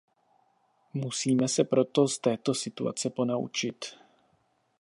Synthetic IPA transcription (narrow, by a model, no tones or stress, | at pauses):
musiːmɛsɛpɾo̞t̪o̞st̪ɛːt̪o̞sɪt̪ua̰t͡sɛpo̞naṵt͡ʃɪt̪